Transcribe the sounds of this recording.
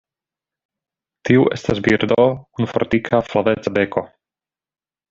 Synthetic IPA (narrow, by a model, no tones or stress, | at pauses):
t̪iuʔḛst̪asbiɾd̪okunfoɾt̪ikʰaflavet͡sabeko